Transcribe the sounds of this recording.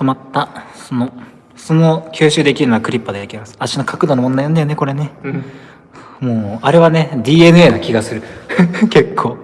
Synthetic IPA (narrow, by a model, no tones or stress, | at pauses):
t̪o̞mat̪ːaso̞no | so̞no̞kʲɨːɕɨːd̪e̞kʲiɾɯnoakɯ̟ɾʲipːad̪e̞d̪ekʲimasɨ̥aɕino̞kʰakɯ̟d̪onomond̪ajond̪ajoneko̞ɾe̞ne̞ | moːaɾe̞βane̞d̪ʲiːe̞nɯ̟e̞ːnakʲiɡasɨɾɯ̟ke̞kʰːo̞ː